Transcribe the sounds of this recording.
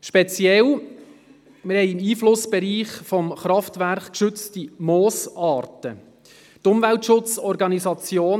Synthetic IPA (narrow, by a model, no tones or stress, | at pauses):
ʃpɛt͡sjɛl | mɪɾhɛɪɪmiːflʊsb̥ɛɾiːχfɔmχɾɑftʋæɾχkʃʏt͡stimoːsɑːrtə | tʊmvæltʃʊt͡sɔɾɡɑnisɑt͡sjoːn